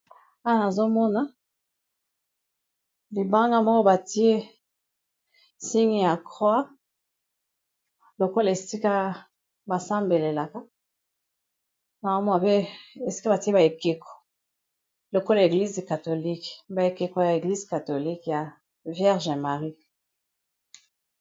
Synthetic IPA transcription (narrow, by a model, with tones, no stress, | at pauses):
a˦a˦˨na˨zo˦mɔ˦na˦ | li˨ba˦ŋɡa˦mɔ˦ko˦ba˨ti˦e˦ | si˦ŋi˦ja˨kʁwa˦ | lo˨ko˦la˨e˨si˦ka˦ | ba˨sa˦mbe˨le˨la˨ka˦ | na˨ma˦m˦a˨pe˦e˨si˦ka˦ba˨ti˦e˦ba˨e˨ke˨ko̥˨ | lo˨ko˦la˨e˨ɡli˦zka˨to˨li˦kba˨e˨ke˨ko˨ja˨e˨ɡli˦zka˨to˨li˦kja˨ | vjɛ˦ʁʒɛ˨ma˨ʁi˦